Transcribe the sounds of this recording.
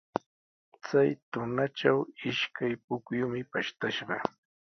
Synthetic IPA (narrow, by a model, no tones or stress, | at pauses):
t͡sajt̪ʊnaʈ͡ʂawɪʃkʰajpʊkjʊmɪpaʃt̪aʃɢɑ̰